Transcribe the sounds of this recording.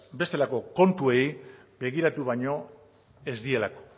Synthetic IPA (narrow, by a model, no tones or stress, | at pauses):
be̞st̪e̞lako̞ko̞nt̪ue̞j | be̞ɣ̞iɾat̪uβajɲo̞ | e̞zðd̪ie̞lako̞̥